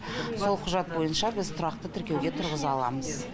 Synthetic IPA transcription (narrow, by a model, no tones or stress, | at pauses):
so̞lˠqʰʊʒɑt̪̚bo̞jənʃɑbɪzt̪ʰʊɾɑq̚t̪ət̪ʰɪɾkʲe̞wɡʲe̞t̪ʰʊɾʁəzɑɑlˠɑ̰məz